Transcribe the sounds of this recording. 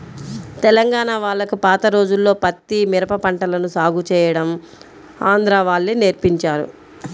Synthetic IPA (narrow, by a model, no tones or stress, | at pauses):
t̪ɛlɐŋɡaːnaːʋaːɭːɐkupaːt̪ɐɾo̞ːd͡ʒulːo̞ːpɐt̪ːimiɾɐpɐpɐɳʈɐlɐnusaːɡut͡ʃɛːjɐɽɐm | aːnd̪ɾaːʋaːɭːineɾpiɲt͡ʃaːɾṵ